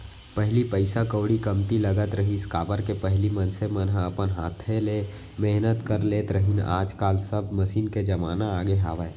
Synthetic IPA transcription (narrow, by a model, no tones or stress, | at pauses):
pɛɦlipəɪsakəːɽikɐmt̪ilɐɡət̪ɾəɦiɪskaːbəɾkepɛɦlimə̃nsemənɦɐpənɦaːt̪ʰːele | meɦnət̪kəɾleːt̪ɾəɦina̰ːd͡ʒkaːlsəbməʃiːnked͡ʒɐmaːnaaːɡeɦa̰ːʋə